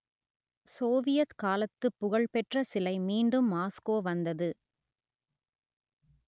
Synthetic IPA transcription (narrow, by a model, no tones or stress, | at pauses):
soːʋɪjɐt̪kaːlɐt̪ːɯpːʊɣɐɭpɛʈrɐsɪlɐɪmiːɳɖɯmːaːskoːʋɐnd̪ɐðɯ